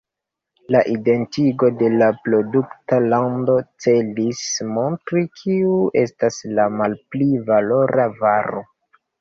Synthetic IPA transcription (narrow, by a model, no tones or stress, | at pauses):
laʔide̞ntiɡo̞de̞lapɾo̞duktalando̞t͡se̞lismo̞ntɾikʰiuʔe̞staslamalplivalo̞ɾʔavaɾo̞